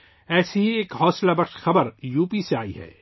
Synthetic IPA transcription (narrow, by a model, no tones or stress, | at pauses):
ɛːsiɦieːkɦɔːslabɐɾʃxɐbəɾjuːpiseaːiɦɛ̰ː